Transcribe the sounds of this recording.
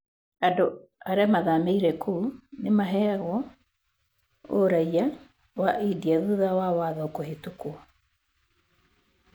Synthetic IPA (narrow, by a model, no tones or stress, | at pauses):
adoaɾɛmaðameiɾɛkʰuːnemaɦɛaɣwɔ | o̰ɾaia | waʔidiaðuðawawaðɔokohetukua